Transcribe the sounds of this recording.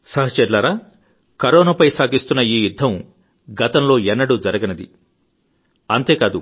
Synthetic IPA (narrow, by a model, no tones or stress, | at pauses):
sɐɦɐt͡ʃɛɾlaːɾaː | kɐɾɔːnɐpɐjsaːɡist̪unːɐiːjud̪ʱːɐm | ɡɐt̪ɐmlo̞ːɛnːɐɽud͡ʒɐɾɐɡɐnɐd̪ḭ | ɐnt̪e̞ːkaːd̪u